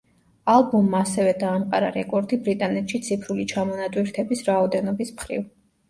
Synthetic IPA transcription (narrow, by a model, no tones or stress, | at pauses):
alˠbumːaːsɛvɛd̪aːmqʼa̰ɾa̰ɾɛkʼɔɾd̪ibɾit̪ʼanɛt̪ʃit̪sʰipʰɾulit͡ʃʰamɔnat̪ʼwiɾt̪ʰɛbisɾaɔd̪ɛnɔbismχɾḭv